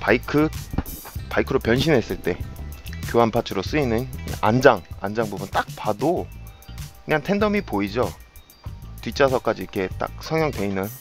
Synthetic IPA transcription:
paikʰɯ | paikʰɯɾopjʌnɕʰinɦe̞s͈ɯɭt͈e̞kjoɦanpʰat͡ɕʰɯɾos͈ɯinɯn̰a̰nd͡ʑaŋa̰nd͡ʑaŋbubunt͈ak̚pado | kɯɲantʰe̞ndʌmipoid͡ʑo | tit͡ɕ͈ʰasʰʌk͈ad͡ʑiikʰe̞t͈a̰k̚sʰʌŋjʌŋte̞inɯn

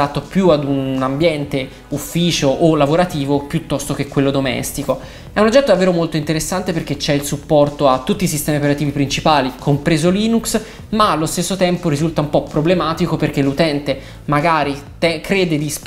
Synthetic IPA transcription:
at̪ːopjuad̪uambjɛnt̪e | ufːiːt͡ʃoʔːlːavoɾat̪iːvopjut̪ːɔst̪ok̟ekːwelːod̪omɛ̰st̪iko | ɛunod͡ʒːɛt̪ːod̪avːeːɾomolt̪oint̪eɾesːant̪eperk̟et͡ʃɛilsupːɔrt̪oat̪ːut̪ːisist̪ɛːmiopeɾat̪iːvipɾint͡ʃipaːlikʰompɾeːzoliːnuks | maːlːost̪esːot̪ɛmpoɾizult̪aumpɔpːɾoblemaːt̪ikoperk̟elːut̪ɛnt̪e | maɡaːɾit̪ɛkɾeːd̪ed̪is

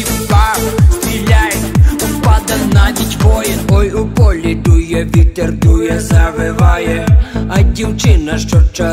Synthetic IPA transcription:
pɑʋʲilʲajʊpɑd̪ɐt̪nɐʋʲitʲʋɔjɛnɔjʊpɔlʲiɖ̪ujɛʋʲit̪ɛrd̪ujɛzɐʋɪʋɑjɛɐdʲiwt͡ʃɪnɐʃt͡ʃɔt͡ʃɐ

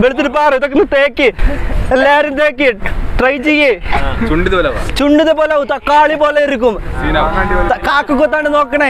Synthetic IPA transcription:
ʋeɭit̪ːiɾupaːrɨiðokːenːɨt̪eːkːɨelːaːɾumt̪e̞ːkːɨʈrɐjt͡ɕijːet͡ɕuɳɖiðepoːlt͡ɕuɳɖiðepo̞ːlaːʋut̪ɐkːaːɭipo̞ːleiɾik̬ʲːuminaeɳɖikaːkːɨkːot̪ːaːɳɖɨno̞ːkːɐɳɐ

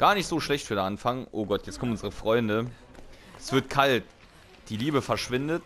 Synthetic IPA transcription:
ɡ̥aːɐnɪçtz̥oːʃlɛçtfyːdeɐʔanfaŋʔoːɡɔtʰjɛt͡skʰɔmnʊnzəʁəfʁ̥ɔʏndə | ʔɛsv̥ɪɐtkʰalt | d̥iːliːbəfɛɐʃv̥ɪndət

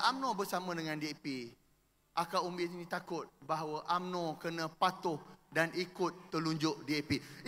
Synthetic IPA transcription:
amnɔ̃bərsamə̃dəŋãndiepi | ʔakawumbɪt̪inĩt̪akʊt̪̚baɦawəʔamnɔ̃kənə̃pat̪ʊhdanikʊt̪ːəluɲd͡ʒʊʔdiepi

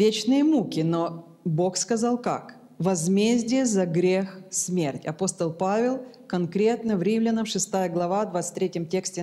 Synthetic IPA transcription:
vʲet͡ɕnɨjəmukʲɪno | bo̞xskɐzalˠka̰k | vɐzmʲezʲdʲɪjəzɐɡɾʲexsmʲertʲɐ̰po̞st̪əlˠpavʲɪlˠ | kɐnkɾʲe̞t̪nəvɾʲimlʲɪnəmʂɨst̪ajəɡlˠɐvavd̪vat̪sɨ̥t̪ʲɾʲetʲjəmtʲeksʲtʲɪ

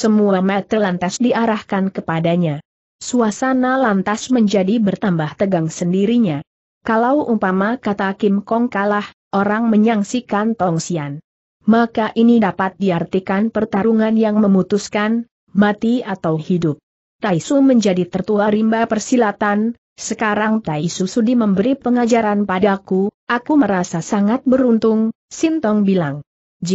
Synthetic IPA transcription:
səmuamat̪əlant̪asdiaɾahkankəpadaɲa | suasanalant̪asməɲd͡ʒadibərt̪ambaht̪əɡaŋsəndiɾiɲa | kalawʔupamakat̪akɪmkɔŋkalah | ʔoɾaŋməɲaŋsikant̪ɔŋsian | makaʔinidapat̪̚diart̪ikanpərt̪aɾuŋanjaŋməmut̪uskan | mat̪iat̪awhidʊp̚ | t̪aisuməɲd͡ʒadit̪ərt̪uaɾimbapərsilat̪an | səkaɾaŋt̪aisusudiməmbəɾipəŋad͡ʒaɾanpadakuakuməɾasasaŋat̪̚bəɾunt̪ʊŋ | sint̪ɔŋbilaŋ | d͡ʒ

